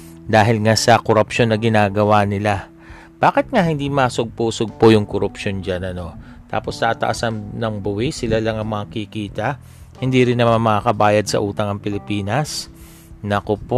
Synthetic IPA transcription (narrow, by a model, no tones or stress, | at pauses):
d̪aːɦɪlŋasɐkoɾɐpʃo̞nːɐɡɪnaːɡɐwanɪla | b̥aːkɪt̪̚ŋahɪnd̪imɐsoɡ̚puːsoɡ̚po̞jʊŋkoɾʊpʃo̞nd͡ʒanɐno̞ | t̪a̰ːpo̞st̪aʔt̪ɐ̰ʔɐsɐnnɐŋbʊwisɪlalɐŋɐŋmɐŋakikiːt̪ɐʔ | hɪnd̪iɾɪnːɐmanmɐkakɐbaːjɐd̪̚sɐ̰ʔuːt̪ɐŋɐŋpɪlɪpiːnɐs | nɐkopo